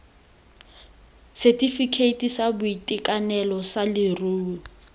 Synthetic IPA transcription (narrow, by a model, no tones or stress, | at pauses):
sɛtʼifikʰeitʼisabʊitʼikʼanɛlɔsalɪruː